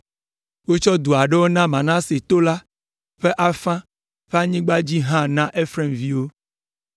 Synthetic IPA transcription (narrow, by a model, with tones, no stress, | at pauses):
wo˦t͡ʃɔ˦d̪u˨a˨ɖe˦wo˦nã˦mã˨nã˦se˨t̪o˦la˦ | ɸe˦ʔa˦fã˦ | ɸe˦a˦ɲĩ˦ɡ͡ba˦d͡ʑi˦ɦã˦nã˦ʔe˦fɾɛ˦mvi˦wo˦